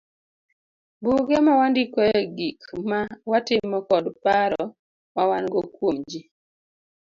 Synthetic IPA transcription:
buɡemawandikɔɛɡikmawatɪmːɔkɔdpaɾɔ | mawanɡɔkwomd͡ʒi

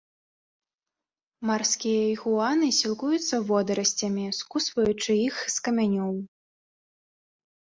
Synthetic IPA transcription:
marskʲijɐiɣuanɨsʲilˠkujut̪sːɐvɔd̪ɐɾɐsʲt͡sʲɐmʲiskusvɐjut͡ʂɨixskɐmʲanʲɔw

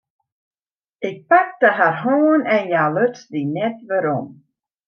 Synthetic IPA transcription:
ɪk̚pak̚dəɦarɦoːnɛnjaløtsdinɛtʋəɾɔ̰m

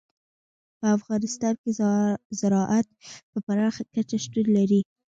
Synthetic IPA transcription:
pəafɣɑnɪst̪ɑnkezaɾɑʔat̪̚pəbaɾɑxakat͡ʃaʃt̪ullaɾi

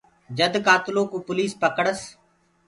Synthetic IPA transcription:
d͡ʒəd̪kaːt̪loːkũːpʊliːspəkəɽəs

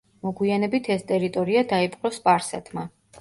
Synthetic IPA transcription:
mɔɡwianɛbit̪ʰɛst̪ʼɛɾit̪ʼɔɾiad̪aipʼqʼɾɔspʼaɾsɛ̰t̪ʰma

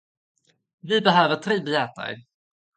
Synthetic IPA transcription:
vɪbɛɦœːvət̪ʰɾeːbɪɛːt̪a̰ɾ

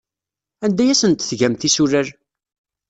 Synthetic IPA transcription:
ænd̪æjæsənt̪θʝæmθisuɾəɾ

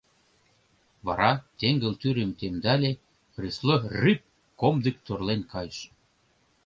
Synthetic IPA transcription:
βɑ̰ɾɑt̪eŋɡə̆lt̪yɾĕmt̪emd̪ælʲe | xrisloryp̚ | komd̪ə̆kt̪orlenkɑjʃ

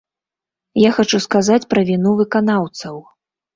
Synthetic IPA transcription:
jaxat͡ʂuskazat͡sʲpɾɐvʲinuvɨkanawt̪sɐw

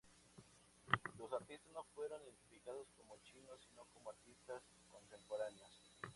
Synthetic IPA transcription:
los̬aɾt̪ist̪azno̞fwe̞ɾoniðent̪ifikaðosko̞mot͡ʃinosino̞komoaɾt̪ist̪as | ko̞nt̪e̞mpoɾaneos

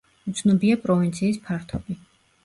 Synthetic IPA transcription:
ut̪sʰnɔbiapʼɾɔvint̪sʰiːspʰaɾt̪ʰɔbi

